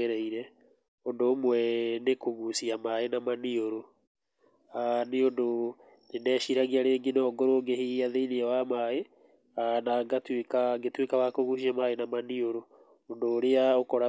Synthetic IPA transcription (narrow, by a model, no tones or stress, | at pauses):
eɾɛiɾɛ | ondoːmwɛnekoɣusiamaenamanioɾo | aneondo | nenɛːʃiɾaɣiaɾeːŋɡenɔːɡoɾoŋɡehiaðeineɛwamae | anaɡatwekaɡetwekawakoɣus̬iamaenamanioɾo | ondoːɾeaokɔɾa